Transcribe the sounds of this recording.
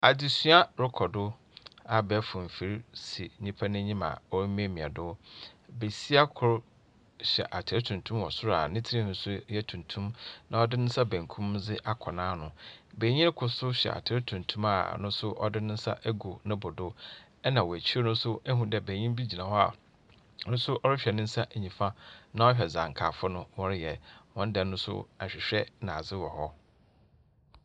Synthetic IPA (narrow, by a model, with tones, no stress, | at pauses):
a˨di˨sɥa˦ɾʊ˦kʰɔ˨dʊ˦ | a˨bɛ˨˦fʊ̃˨m̩˨fi˨ɾsi˨ɲĩ˦pʰa˦nɪ̃˦ɲĩ˦mã̰˨ɔ˦ɾm˦ẽ˦˨mĩ˨a˨dʊ˦be˨si˦a˦kʰʊ˨ɾ | ɕɛ̰˨ʔa˨tʰɪ˨ɾɪ˦tʰũ˨ntʰũ˦mɔ̰˨sʊ˦ɾa̰˨nɪ̃˦tʰi˦hũ˨˦sʊ˦jɛ˦tʰũ˨ntʰũ˦mnã˨ɔ˦dɪ˦nʊ̃˦n̩˦sa˦bæ̃˨ŋ˨kʰũ˦md͡zɪ˦ʔa˦kʰɔ˨nãː˦nʊ̃˨bæ˨˦ɲĩ˦n˦kʰʊ˨sʊ˦ɕᶣɛ̰˨a̰˨tʰɪ˨˦ɾɪ˦tʰũ˨ntʰũ˦ma̰˦˨nʊ̃˦sʊ˦ʔɔ̰˦dɪ˦nɪ̃˦n̩˦sa̰˦ʔæ˦ɡo˨nʊ̃˦bʊ˨dʊ˦ | ɛ˦nã˨wɔ˨æ˨t͡ɕʰi˦o˦nʊ̃˦sʊ˦ɛ˦ɦũ˨dɛ˨bæ̃˨ɲĩ˦mbi˦d͡ʑi˨nã˨hɔ˦a̰˨ | nʊ̃˦sʊ˦ʔɔ˦ɾɪ˦ɕᶣɛ˨nɪ̃˦n̩˦sa˦ʔæ˨ɲĩ˨fã˦nã˨˦ɔ˦ɕᶣɛ˨zã˨ŋ˨kʰa̰˨fʊ˦nʊ̃˦wɔ˦ɾɪ˦jɛ˨wɔ̃˨n˦dɛ̃˨nːʊ̃˦sʊ̰˦a˨ɕᶣɪ˨ɕᶣɛ˦nã˨zɪ˦wɔ˨hɔ˦